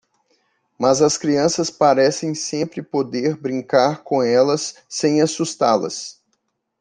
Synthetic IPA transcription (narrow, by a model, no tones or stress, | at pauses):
mɐzɐskɾiɐ̃sɐspaɾɛsẽj̃sẽmpɾɪpod̪eɾbɾĩŋkaɾkõɛlɐsːẽj̃asust̪alɐ̰s